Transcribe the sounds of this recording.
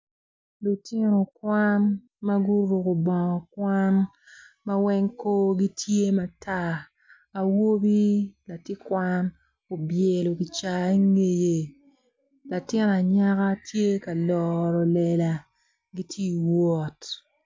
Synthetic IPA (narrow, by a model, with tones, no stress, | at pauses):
lo˨tɪ˦no˨kwa˦n | ma˦ɡu˦ɾu˨ko˨bɔ˨ŋɔ˨kwa˦n | ma˦wɛ˦ŋko˦ɡi˦tje˦ma˨tʰaː˦˨ | wo˦bi˦la˨tɪ˦kwa˦n | o˨bje˨lo˨ki˨t͡ʃa˨i˦ŋe˨je˨ | la˨tɪ˦n˨a˨ɲa˦ka˦tje˦ka˨lɔ˨ɾɔ˨lɛ˨la˨ | ɡi˦tʰje˦˨wɔ˦t